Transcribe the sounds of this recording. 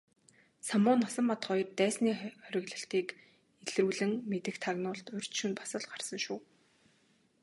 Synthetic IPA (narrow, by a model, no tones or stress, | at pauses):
samʊːnːɔsə̆mːat̪χɔj̆rt̪æːsniːχɔɾʲɪ̆ɣɮə̆ɬt̪iːk | eɮruːɮɘ̆ŋmet̪ɘ̆xt̪ʰaɣnʊːɮt̪ʊr̥ʲt͡ɕʃunpḁsə̆ɮɢarsə̆ŋʃuː